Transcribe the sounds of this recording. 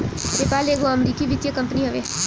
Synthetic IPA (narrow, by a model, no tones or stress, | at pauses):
nepaːleːɡoəmɾiːkiʋit̪jəkəmpniɦəʋeː